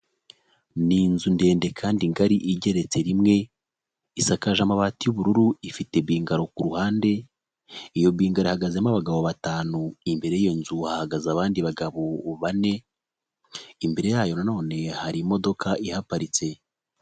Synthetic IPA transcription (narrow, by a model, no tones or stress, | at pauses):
ninzunde̞ːnde̞kʰaːndiŋɡaɾiʔiɟe̞ɾe̞t͡se̞ɾimŋe̞ | isakaʒamaβaːtijuβuɾuɾuifite̞biːŋɡaɾo̞kuɾuhaːnde̞ | ijo̞biːŋɡaɾoihaɡazemaβaɡaβoβataːnuimbe̞ɾe̞jieːnzuhahaɡazaβaːndiβaɡaβoβane̞ | imbe̞ɾe̞jaːjo̞nano̞ːne̞haɾimo̞do̞kʰaʔihapaɾit͡se̞